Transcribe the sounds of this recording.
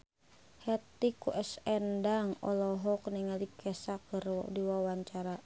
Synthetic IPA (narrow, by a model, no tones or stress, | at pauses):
hɛt̪ikuʔɛsɛndaŋɔ̰lɔɦɔkniŋalikʰɛsakːərdiwawaɲt͡ʃaɾa